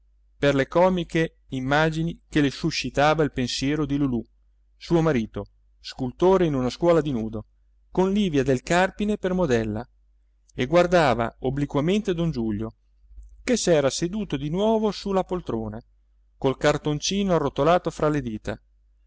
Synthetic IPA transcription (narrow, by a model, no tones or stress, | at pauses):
perlekɔːmike | imːaːd͡ʒinikelesuʃːit̪aːvailpensjɛːɾod̪ilulu | suːomaɾiːt̪o | skult̪oːɾeinunaskwɔːlad̪inuːd̪o | konliːvjad̪elkarpinepermod̪ɛlːa̰ | eɡward̪aːva̰oblikwament̪ed̪ond͡ʒuʎːo | kesɛːɾased̪uːt̪od̪inwɔːvosulapolt̪ɾoːna | kolkart̪ont͡ʃiːnoarːot̪olaːt̪ofɾaled̪iːt̪a̰